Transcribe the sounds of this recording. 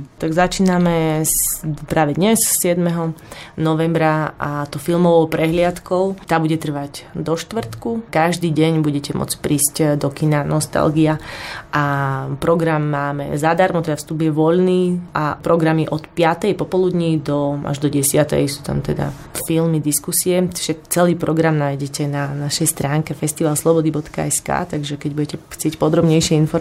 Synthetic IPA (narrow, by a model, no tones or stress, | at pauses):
t̪aɡzat͡ʃiːnamɛ | pɾaːʋɛd̪ɲɛssɪɛd̪mɛɦɔnɔʋɛmbɾaat̪ɔʊfilˠmɔʋɔʊpɾɛɦlɪat̪kɔʊt̪aːbuɟɛt̪r̩ʋaɟd̪ɔʃt̪ʋr̩t̪kukaʒd̪iːɟɛɲbuɟɛcɛmɔ̰t͡spɾiːscd̪ɔkinanɔst̪a̰lɡiaʔapɾɔɡɾamːaːmɛ̰zad̪aɾmɔt̪ɛd̪afst̪ubjɛʋɔʎniːʔapɾɔɡɾamiʔɔt̪pɪat̪ɛjpɔpɔlud̪ɲid̪ɔa̰ʒd̪ɔɟɛsɪat̪ɛ̰jsu̥ːt̪a̰mt̪ɛd̪a̰ | filmid̪iskusiɛi̥ʒ̥ɛt͡sɛliːpɾɔɡɾamnaːjɟɛcɛnanaʃɛjst̪ɾaːŋkɛfɛst̪iʋalslɔbɔd̪ibɔt̪ka̰ɛska̰ːt̪aɡʒɛkɛɟ̚buɟɛcɛxt͡sɪɛcpɔd̪ɾɔbɲɛjʃɪɛinfɔɾ